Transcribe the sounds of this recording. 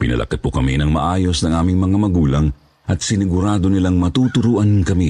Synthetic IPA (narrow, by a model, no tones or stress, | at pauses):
pɪ̰nɐ̰lɐ̰kɐt̪̚pʊkɐminɐŋmɐ̰ʔaːjo̞snɐŋʔaːmɪŋmɐŋamɐɡuːlɐŋ | ʔɐt̪̚sɪnɪɡʊɾaːd̪o̞nɪlaŋmɐt̪ut̪ʊɾuːʔɐnkɐmi